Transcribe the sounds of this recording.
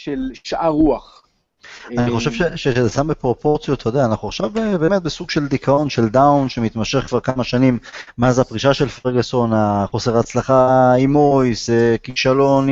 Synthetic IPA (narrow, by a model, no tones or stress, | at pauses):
ʃelʃʔaʁuaχ | aniχo̞ʃevʃeʃezesambepʁo̞po̞ʁt͡sijot̪ʰːod̪eaːnaχuaχʃavbebeme̞t̪̚besuɡʃe̞ld̪ikʰao̞nʃe̞ld̪awnʃe̞mit̪maʃe̞χkvaʁkamaʃanimːeazapʁiʃaʃe̞lfʁeɡeso̞naχo̞seʁat͡slaχaimojsekiʃalo̞n